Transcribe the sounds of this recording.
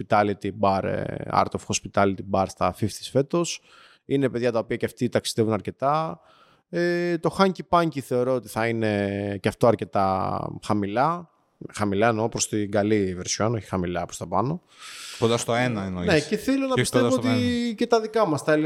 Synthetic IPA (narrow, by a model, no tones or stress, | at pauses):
pit̪ɐlit̪ibɐɾ̰ɐ̰ɾt̪ofxospit̪ɐlit̪ibɐɾst̪ɐfift̪i̥sfe̞t̪o̞s | ine̞pe̞ðʝɐt̪ɐopiɐcɐft̪it̪ɐksiðe̞vunɐɾce̞t̪ɐ | et̪o̞xɐɲcipɐɲciθe̞o̞ɾoot̪i̥θɐine̞cɐft̪oɐɾce̞t̪ɐ̰xɐmilɐ | xɐmilɐenopɾost̪iɡɐliveɾsi̥onoçi̥xɐmilɐpo̥st̪ɐpɐno̞ | kond̪ɐst̪oenɐenoneeθilonɐpistevoot̪cet̪ɐðikɐmɐst̪ɐli